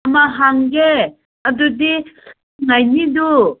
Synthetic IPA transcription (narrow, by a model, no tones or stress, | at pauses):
ɐmaɦaŋɡe | ɐd̪ud̪i | ŋajnid̪u